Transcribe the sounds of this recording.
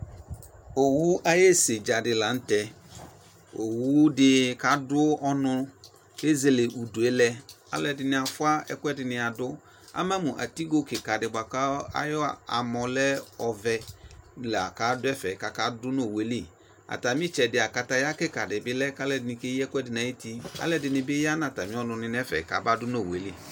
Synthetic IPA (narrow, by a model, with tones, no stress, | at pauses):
o˨wu˦ʔa˦je˦se˨d͡ʒa˨dɪ˨la˨˦n̩˦tɛ˦ | o˨wu˦dɪ˦ka˨dʊ˦ʔɔ˦nʊ̃˦ | de˦ze˨le˨ʔu˨du˨e˦lɛ˦ | a̰˦lɛ˨dɪ˨nɪ̃˨a˨fʊ˦a˦ɛ̰˦kʷɛ˦dɪ˨nɪ̃˨a˨dʊ˦ | a̰˦mɛ̃˦mũ˨ʔa̰˨ti˦ɡo˦kɪ˨ka˨dɪ˨ba˨ka˦a̰˦jɔ˦a̰˨mɔ˨lɛ˦ɔ˨vɛ˨lɛ˨a̰˨ka˨˦dʊ˦ɛ˦fɛ˨ka˨ka˦dʊ˦no˦˨we˦li˦˨ | a̰˨ta˨mɪ̃˦t͡ʃɛ˨dɪ˨a˨ka˨ta˦ja˦kɛ˦ka˨dɪ˨bɪ˦lɛ˦ka˦lɛ˦dɪ˨nɪ̃˨ke˦ji˦ɛ˦kʷɛ˦dɪ˨nã˨je˦ti˦a̰˦lɛ˦dɪ˨nɪ̃˨bɪ˦ja˦nã˨ta˨mɪ̃˦ɔ˦nʊ̃˨nɪ˨n˦ɛ˦fɛ̰˨ka̰˨ba˦dʊ˦no˦˨we˨li˦˨